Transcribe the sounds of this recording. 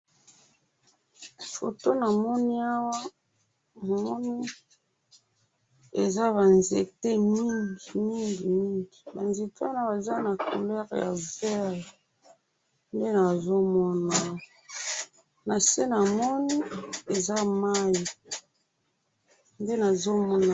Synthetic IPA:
fo̰˨to˦na˨mɔ˦ni˦a˦wa˦ | ma˨mɔ˦ni˦ | e˨za˦βa˨nze˨te˦mi˦ŋɡi˨mi˦ŋɡi˨mi˦ŋɡi˨ba˨nze˨ta˦na˦ba˨za˦na˨ko̰˨lɛ˦ʁja̰˨vɛ˦ | nde˦na˨zo˦mɔ˦na˨w | na˨se˦na˨mɔ˦ni˦e˨za˦ma˦ji˨ | nde˦na˨zo˦mɔ˦na˨

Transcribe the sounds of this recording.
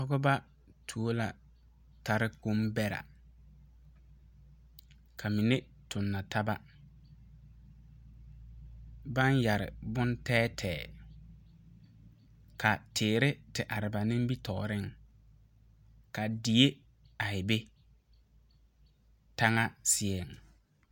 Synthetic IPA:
ʊ˦ɡʊ˦ba˦ | tʰu˨o˦la˨ | ta˨ɾɪ˦ko˦mbɛ˦ɾa̰˨ | kʰa˨mi˨ne˦ | tʊ˨nːa˨ta˦ba˦ | ba˦nja˨ɾɪ̰˨bʊ˦ntɛː˦tʰɛː˨ | ka˨tʰɪː˨ɾɪ˦tɪ˨ʔa˨ɾɪ˨ba˨nɪ̃˦m˦bi˦tɔ̰ː˨ɾɪ˦ŋ | ka˨di˨e˦ | a˨ɪ˨be˦ | ta˦ŋa˦sɪ˦ɛ˨ŋ

